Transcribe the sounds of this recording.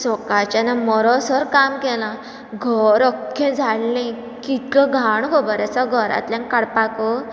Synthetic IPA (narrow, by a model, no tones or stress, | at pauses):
sɔkat͡ɕanamɔɾɔsəɾkamkɛlã | ɡʱəɾəkʰːẽd͡zʱaɽlẽ | kit̪̚kəɡʱaɳɡobəɾat͡saɡʱəɾa̰t̪ljãŋkaɽpakə